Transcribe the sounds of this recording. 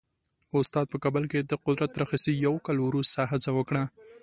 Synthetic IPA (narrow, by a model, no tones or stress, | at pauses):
ʊst̪ɑd̪̚pəkɑbəlked̪əqʊd̪ɾat̪̚ːɾaxisijawkɑlwɾust̪aɦɪzawəkɽa